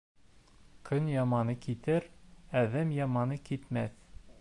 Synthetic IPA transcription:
kʰɵnjɑmɑnɤkit̪ɘɾæðæmjɑmɑnɤkit̪mæθ

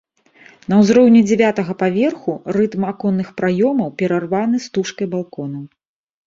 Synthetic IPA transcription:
n̪ɐwzɾɔwnʲɛd͡zʲɛvʲat̪ɐɣɐpavʲɛrxurɨt̪makɔnːɨxpɾajɔmɐwpʲɛɾarvanɨst̪uʂkɐjbalˠkɔnɐw

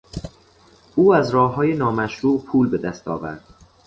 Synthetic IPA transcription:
uːæzɾɒːhɦːɒːjenɒːmæʃɾuːʔpʰuːlbe̞d̪æst̪ʰɒ̰ːvæ̰ɾd̪̥

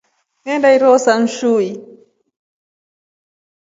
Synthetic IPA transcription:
mɛndaiɾɔsan̩ʃui

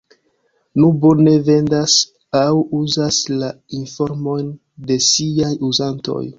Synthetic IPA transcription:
nubone̞ve̞ndas | awuzasla | info̞ɾmo̞jn | de̞siajuzanto̞̰j

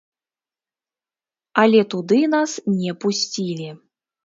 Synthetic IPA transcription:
alʲɛt̪ud̪ɨnasnʲɛpusʲt͡sʲilʲi

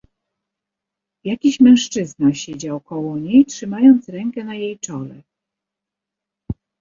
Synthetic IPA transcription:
jakʲiɕmɛ̃ʂt͡ʂɘznaɕed͡ʑawkɔwɔɲejtʂɘmajɔnt̪sɾɛŋkɛnajejt͡ʂɔlɛ̰

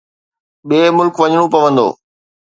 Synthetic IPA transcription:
ɓeːmʊlkʋɐɲɽ̃õpɐʋə̃nd̪o̰ː

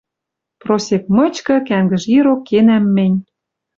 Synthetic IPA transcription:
prosek̚mɤ̆t͡ɕkɤ̆kæŋɡə̆ʒiɾokːenæmːɘ̆nʲ

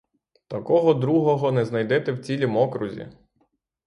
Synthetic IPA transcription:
t̪ɐkɔɦɔd̪ɾuɦɔɦɔnɛznɐjd̪ɛt̪ɛwt͡sʲilʲimɔkɾʊzʲḭ

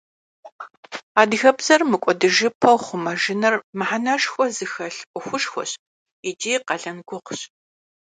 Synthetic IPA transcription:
aːdɣɐbz̥ɐrmɨkʷʼɔdɨʒɪpʰɐwχʷʊmɐʒɪnɐrmɨħanɐʂxʷɔzɨxɐɬʔʷʼʊxʷʊʂxʷɔ̰ɕ | id͡ʒiːqɐɮɐnɡʷʊqʷɕ

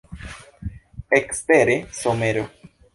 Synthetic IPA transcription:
ekspeɾesomeɾo

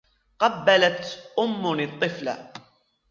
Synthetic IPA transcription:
qɑbːalat̪ʔʊmːʊnɪt̪ˤːɨfla̰

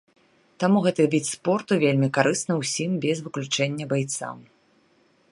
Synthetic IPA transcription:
t̪amuɣɛt̪ɨvʲit͡s̪ʲspɔrt̪uvʲelʲmʲikaɾɨsnɨwsʲimbʲɛzvɨklʲut͡ʂɛnʲːɐbajt̪sa̰m

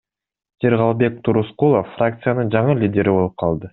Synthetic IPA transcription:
seɾʁɑlˠbe̞k̚t̪ʰuɾusqulˠofːrak̚t̪sɨjanəɴʒɑɴəlʲidʲe̞ɾɪbo̞lˠəp̚qʰɑlˠd̪ə

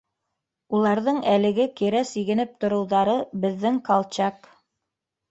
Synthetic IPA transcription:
ulˠɑɾðɤɴælɘ̆ɡɘkiɾæsiɡɘ̆nɘp̚t̪ŏɾɤ̆wðɑɾɤbɘ̆ðːɘŋkɑlˠt͡ɕɑk

